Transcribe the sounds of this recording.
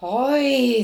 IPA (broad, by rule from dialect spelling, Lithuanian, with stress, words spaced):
ˈoːɪ